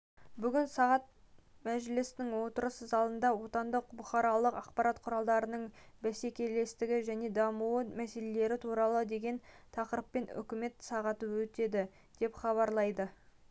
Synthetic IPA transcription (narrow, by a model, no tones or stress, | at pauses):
bʏɡʲɪnsɑʁɑt̪̚ | mæʒlɪst̪ɪŋwo̞t̪əɾəsəzɑlˠənd̪ɑwo̞t̪ɑnd̪əq̚bʊχɑɾɑlˠəqɑqpɑɾɑt̪qʰʊɾɑlˠd̪ɑɾənəɴbæse̞kʲe̞le̞st̪ɪɡʲɪʒæne̞d̪ɑmuwəmæse̞le̞le̞ɾɪt̪ʰuɾɑlˠəd̪e̞ɡʲe̞nt̪ʰɑqəɾəpːe̞nʏ̰kʲɪme̞t̪sɑʁɑt̪əwɵt̪e̞d̪ɪ | d̪̥e̞pχɑβɑɾlˠɑjd̪ə